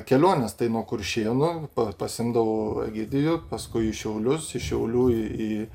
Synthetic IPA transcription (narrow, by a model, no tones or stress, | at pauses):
kʲɛlʲoːnʲɛst̪ɐɪnuɔkʊrʲʃʲiɛnʊpɐpɐsʲɪmd̪ɐʋoːɐ̰ɡʲɪd̪ʲɪjʊpɐskʊɪɪʃʲɛʊlʲʊsɪʃʲɛʊlʲuːɪiː